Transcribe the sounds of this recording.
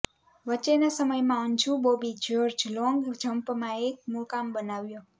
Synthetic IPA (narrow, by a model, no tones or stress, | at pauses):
wʌt͡ʃenasʌmʌjmaunt͡ʃʰubobid͡ʒord͡ʒuloŋɡd͡ʒʱʌmpmaek̚mukambʌnawjo